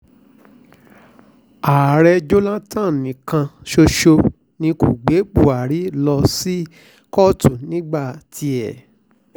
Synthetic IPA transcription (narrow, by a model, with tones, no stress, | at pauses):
a˨ɾɛ˧d͡ʒo˦lã˦tã˦˨nĩ˨kã˧ʃo˧ʃo˧ | nĩ˧ku˨ɡ͡be˨˦k͡pu˦˨a˨ɾi˨˦lɔ˧si˦ | kɔ˦tu˦˨nĩ˨˦ɡ͡ba˦˨tʰi˧ɛ˨